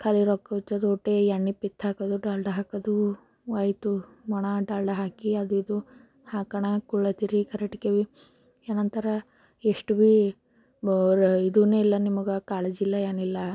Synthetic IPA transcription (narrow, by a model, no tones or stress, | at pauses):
kʰɐliɾɔkːɐt̪ːɐd̪uɔʈːejɐɳːipːit̪ʰːaːkɐd̪uɖaːlɖɐɦaːkɐd̪u | ʋɐjt̪u | mɔɳaɖaːlɖɐɦaːkiɐd̪uid̪u | haːkɐɳɐkuɭːɐt̪iɾikʰɐɾɐʈi̥keʋi | eːnɐnt̪ɐɾɐ | eʂʈuʋi | ɾid̪uneːilːɐnimɐɡɐkaːɭed͡ʒilːɐeːnilːɐ